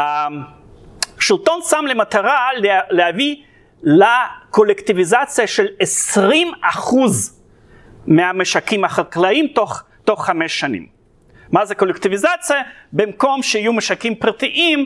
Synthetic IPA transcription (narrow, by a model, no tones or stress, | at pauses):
a | ʃilt̪onsamlemat̪aʁallehavi | lakolektivizat͡sijaʃelesʁimaχuz | meameʃakimaχalklaimt̪oχ | to̞χːameʃːanḭmː | azeko̞lekt̪ivizat͡sijabemko̞mʃeijumeʃakimpʁat̪iʔim